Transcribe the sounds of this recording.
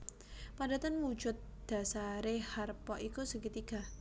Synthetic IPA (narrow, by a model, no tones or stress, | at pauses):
pada̤t̪ənwu̥d͡ʒʊt̪̚d̪̥a̤saɾeharpɔʔikusəkit̪iɡ̥a̤